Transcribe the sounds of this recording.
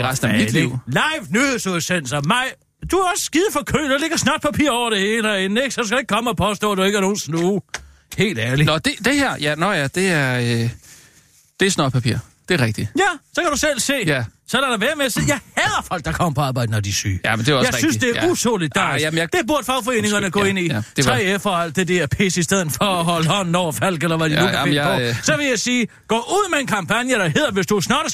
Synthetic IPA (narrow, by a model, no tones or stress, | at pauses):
eʁasd̥n̩æmid̥liʊlɑɪʋnusosen̰sɐmɑɪ̰ | d̥uæɒ̽sə̥sɡ̥ið̞ˠfɒ̽kʰø̰ːdele̝ɡ̥ɐsnɑ̰̈ːd̥pʰæpʰḭɐɒʊ̰ɐɾ̥e̝he̝ːlæen̩eɡ̥sɒd̥uskæe̝ɡ̥̚kʰɒ̽məɒ̽pʰɒ̽s̬d̥ɔ̰̽ːd̥ueɡəæɐno̝ːn̩snuː | he̝̰ːld̥æɐlinɒd̥ed̥e̝heɐ̰jænɒjæd̥e̝æɐø | d̥e̝æɐsnɑ̰̥pʰæpʰḭɐ̰ | d̥e̝æʁɛɡ̥d̥ijæsɒ̽kʰæɾ̥usel̰se̝̰ːjæsɒ̽læɾ̥ɑʋæɐmeɐsejɑ̈ɪhæɐfɒ̽l̰ɡ̥̚d̥ɑ̈kʰɒ̽m̰pʰɒɑ̈ːb̥ɑ̈ɪ̰d̥ənɒd̥isy̰ːjæmnd̥e̝jɑɪsynsd̥e̝æɐut͡sʰoːlid̥̚ːɑæmd̥eb̥uɐ̥fɑʊfɒe̝̰ːne̝ŋɐnəɡ̥ɔ̰̽e̝n̰id̥eʁɛ̰efɐæl̰d̥̚d̥ed̥eɐpʰe̝̰ːsisd̥eð̞̰ˠð̩ˠfɒɒɦɒləɒ̽nnːɒʊfæl̰ɡ̥elɐʋæd̥iuæɒsɒ̽ʋe̝jɑɪsiː | ɡ̥ɔ̰ːʔuð̰ˠmee̝nkʰɑ̈mpʰænjəɾ̥ɑɦe̝ðˠɐʋe̝sd̥usnɑ̰̈ːɾ̥